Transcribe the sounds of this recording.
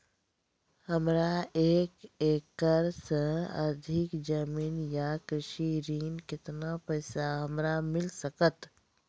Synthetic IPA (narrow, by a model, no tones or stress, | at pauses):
həmɾaeːkeːkːəɾsə̃ə̰ɾd̪ʱɪkd͡ʒəmiːnjakɾɪʃiɾiːnkɪt̪napɛɪsaɦəmɾamɪlsəkət̪